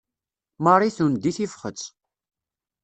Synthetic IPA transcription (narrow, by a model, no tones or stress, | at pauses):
mɑrˤiθund̪iθifχət͡s